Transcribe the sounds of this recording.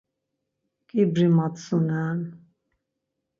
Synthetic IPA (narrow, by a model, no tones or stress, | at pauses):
kʼibɾimat̪ʼsunaːn